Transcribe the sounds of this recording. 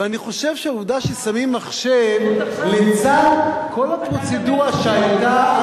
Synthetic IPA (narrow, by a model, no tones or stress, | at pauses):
eaniχo̞ʃevʃeuvd̪aʃesamimːaχʃevlet͡sanko̞lapʁo̞t͡seduʁaʃeajta